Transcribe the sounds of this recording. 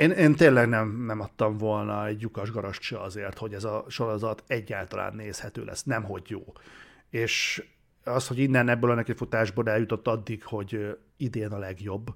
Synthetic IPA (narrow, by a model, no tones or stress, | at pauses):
eːneːnt̪eːnlɛɡnɛmnɛmɒt̪ːɒɱvo̞lnɒɛɟjukɒʒɡɒɾoʃt͡ʃɒɒzeːrt̪ho̞ɟɛzɒʃo̞ɾo̞zɒt̪ɛɟːaːlt̪ɒla̰ːnːeːshɛt̪ø̰ːlʔɛ̰sːnɛmɦo̞ɟjo̰ː | eːʃ | ɒshoɟinːɛnɛbːøːlɒnɛkɛcfut̪aːʒboːlɛljut̪o̞t̪ːɒd̪ːikho̞ɟ | id̪eːnɒlɛɡjo̞bː